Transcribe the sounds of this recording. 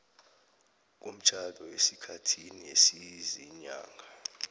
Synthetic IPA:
k̬um̩t͡ʃʰalɔesikʰatʰiniesiziɲa̰ːŋʱa

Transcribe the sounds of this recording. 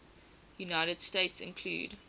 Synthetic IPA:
junaɪɾəd̥steɪtsɪ̰̃nkʰlṵːd

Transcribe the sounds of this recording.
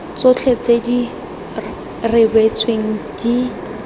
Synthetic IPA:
t͡sʊt͡ɬʰet͡sʰedi | rɪbet͡sʰweŋ̩ki

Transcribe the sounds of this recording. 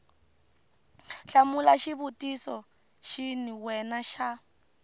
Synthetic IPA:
ɬamulaʃiβutisɔ | ʃiniwɛnaʃa

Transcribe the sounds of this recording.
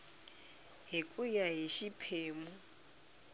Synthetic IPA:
ɦikʼujaɦiʃipʰeːmu

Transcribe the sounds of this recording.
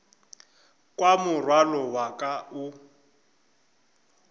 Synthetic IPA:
kʼwamʊrwalɔwakʼaʊ

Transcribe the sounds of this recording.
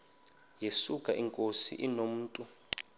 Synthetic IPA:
jesukʼaʔiŋkʼosḭʔinom̩ːtʼu

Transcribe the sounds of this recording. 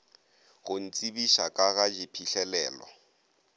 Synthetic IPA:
ɣʊn̩t͡sʼibiʃakʼaɣad͡ʒipʰiɬɛlɛːlɔ̰

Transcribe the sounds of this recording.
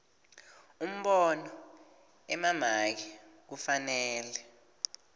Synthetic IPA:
um̩ɓɔnɔ | ɛmamak̬ik̬ufanɛːlɛ

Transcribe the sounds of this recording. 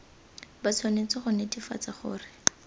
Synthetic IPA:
bat͡sʰwanet͡sɪχʊnedifa̰t͡saχʊ̰ːrɪ

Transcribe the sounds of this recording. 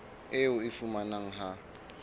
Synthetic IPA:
ɪʊɪfumanaŋ̩ɦa

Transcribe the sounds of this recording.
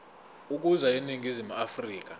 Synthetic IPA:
uk̬uzainiŋizimuafriːk̬a

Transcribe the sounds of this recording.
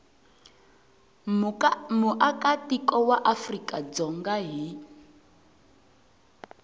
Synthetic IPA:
muʔakatikɔwaʔafrikʼad͡zɔŋɡaɦi

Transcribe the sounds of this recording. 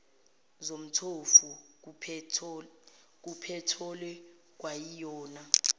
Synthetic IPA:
zom̩tʰofu | k̬upʰɛtʰɔlɛ | k̬wajijɔːna

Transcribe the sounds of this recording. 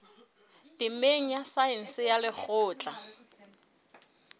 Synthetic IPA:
dɪmeŋ̩asaɪn̩sɪjalɪk͡xʰʊːt͡ɬʼa

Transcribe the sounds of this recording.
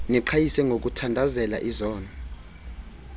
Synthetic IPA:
niǃʰajisɛŋɡʱok̬utʰandʱazɛla̰ʔizɔːnɔ

